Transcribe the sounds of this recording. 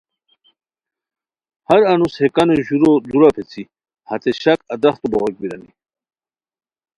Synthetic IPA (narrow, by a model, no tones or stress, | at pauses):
haɾanushekanoʑuɾod̪uɾapʰet͡sʰi | hat̪eɕakad̪aχt̪oboʁok̚biɾa̰nḭ